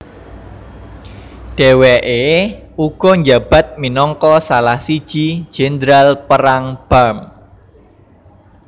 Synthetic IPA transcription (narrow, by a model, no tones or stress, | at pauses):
ɖ̥e̤wɛʔe | uɡ̥ɔ̤ɲd͡ʒab̥a̤t̪̚minɔŋkɔsalahsid̥ʒ̥i̥d͡ʒ̥ɛnd̪ɾalpəɾaŋb̥am